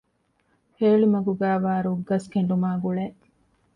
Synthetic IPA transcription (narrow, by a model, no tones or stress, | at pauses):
heːɭimɐɡuɡæːʋaːɾuɡːɐskeɳɖumaːɡuɭeː